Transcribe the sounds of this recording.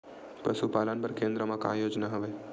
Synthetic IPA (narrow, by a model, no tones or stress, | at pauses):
pə̰supaːlənpɐɾkẽːnd̪ɾəmãka̰ːjoːd͡ʒnaɦɐʋeː